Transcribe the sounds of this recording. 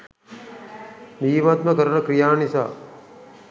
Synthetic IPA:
niːmat̪̚mɐkɐɾɐnɐkɾijaːnisa̰ː

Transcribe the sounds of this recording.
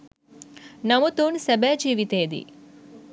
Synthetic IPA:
nɐmut̪uːɳsebed͡ʒiːʋit̪eːd̪ḭ

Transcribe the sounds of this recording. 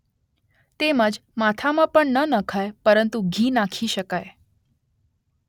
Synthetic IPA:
t̪eməd͡ʒmat̪ʰamãpəɳnənəkʰajpəɾənt̪uɡʱinakʰiʃəkaj

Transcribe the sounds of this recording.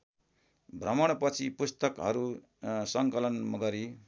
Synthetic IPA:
bʱrʌmʌɽ̃pʌt͡sʰipust̪ʌkɦʌɾu | sʌŋkʌlʌnmʌɡʌɾi

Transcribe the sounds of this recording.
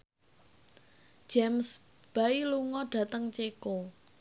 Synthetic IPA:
ʒ̥ams | b̥ailuŋɔɖ̥ä̤t̪əŋt͡ʃeko

